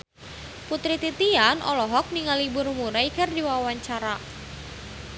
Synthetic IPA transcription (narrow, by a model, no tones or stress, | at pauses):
put̪ɾit̪it̪ianʔɔlɔɦɔk̚niŋalibʊrmuɾajkɨrdiwawaɲt͡ʃaɾa